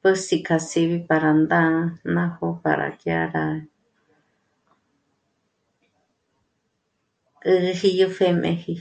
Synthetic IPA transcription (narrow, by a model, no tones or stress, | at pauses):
pəsikʰasiβipaɾand̪ãnãhopa̰ɾa̰kja̰ɾa | ɨhijofemḛ̃hi